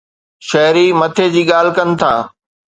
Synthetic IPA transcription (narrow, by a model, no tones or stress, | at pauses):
ʃɐɦɾimɐt̪ʰed͡ʑiːɠaːl̤ɪkɐnɪ̆t̪ʰa̰ː